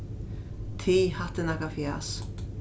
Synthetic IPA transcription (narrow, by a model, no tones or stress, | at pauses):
t̪ʰiːhat̪ənakafja̰s